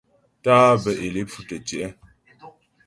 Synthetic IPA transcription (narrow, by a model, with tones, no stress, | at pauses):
taː˦bə˨ʔe˨le˦p͡fu˦tə˨t͡ʃɛ˨ʔə˦